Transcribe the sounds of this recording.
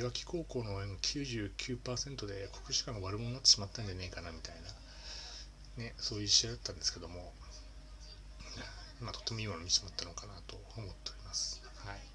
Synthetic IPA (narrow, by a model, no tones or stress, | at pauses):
βakʲi̥ko̞ːko̞ːnoːẽŋokʲʰɨːʑɨːkʲɨːpaːsẽ̞nt̪o̞d̪e̞kʰo̞̥kɯ̟ɕi̥kãoβaɾɯ̟monnːat̪ːe̞ɕimat̪ːãɲ̟d͡ʑaneikanamʲit̪aina | ne̞so̞ːjɯiɕiad̪at̪ːãnd̪e̞sɨ̥ke̞d̪o̞mo̞ | mat̪o̞t̪ːe̞mo̞imanmʲisi̥mat̪ːano̞kanat̪o̞ːmo̞t̪ːe̞oɾʲimasɨ̥ | hai